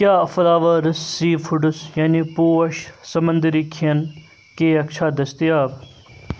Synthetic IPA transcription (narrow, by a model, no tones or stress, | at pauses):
kʲjaːɐfɐlaːʋɐɾɐsːiːfʰuɖusjaːnipuːɐʃsɐmɐnd̪iɾikʰiɐn | keːɐkt͡ʃʰaːd̪ɐst̪ijaːb